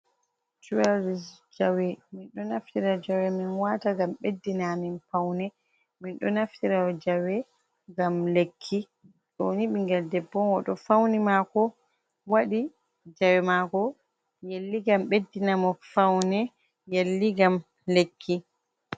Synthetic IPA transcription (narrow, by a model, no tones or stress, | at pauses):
t͡ʃuwaɾisd͡ʒawɛminɗɔnaftiɾad͡ʒawɛminwataɡamɓedːinaminpawnɛ | minɗɔnaftiɾawɔd͡ʒawɛ | ŋɡamlekʰːi | ɗo̰nimiŋɡɛldɛbːɔwɔɗɔfawnimakɔ | waɗi | d͡ʒawɛmakɔ | jelːiɡamɓedːinamɔfawnɛ | jelːiɡam | lekʰːi